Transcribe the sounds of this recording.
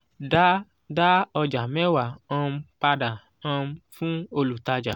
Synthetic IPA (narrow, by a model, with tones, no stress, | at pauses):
da˦ | da˦ɔ˧d͡ʒa˨mɛ̃˦wa˨ã˧m˧˦pa˧da˨ | ã˧˦fũ˦o˧lu˨ta˧d͡ʒa˨